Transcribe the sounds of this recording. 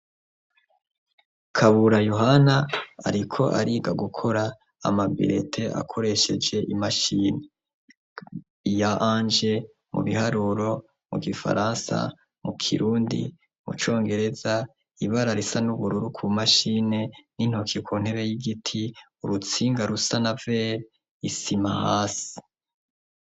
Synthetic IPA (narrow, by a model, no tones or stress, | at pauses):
kʰaβuɾajoɦanaa̰ɾikʰo̞ʔa̰ɾiːɡaɡukʰo̞ɾa̰ː | mabḭɾḛtʰe̞ʔa̰kʰo̞ɾe̞ʃe̞d͡ʒe̞ʔimaʃine | ijaʔaːnd͡ʒe̞ | mṵβihaɾuɾo̞ | mṵɡifa̰ɾaːnsa̰ | mukʰḭɾuːndḭ | mṵt͡ʃo̞ːŋɡe̞ɾe̞za | iβaɾaɾisanuβuɾuɾukʰumaʃine̞nin̥hokʰikwun̥heɾejiɡitʰi | uɾut͡siːŋɡaɾusanave | isimahaːsi̥